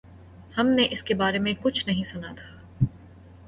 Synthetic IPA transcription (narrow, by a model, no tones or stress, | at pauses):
hɐmneʔɪskebaːɾemẽkʊt͡ʃʰnɐɦĩsʊnat̪ʰḁː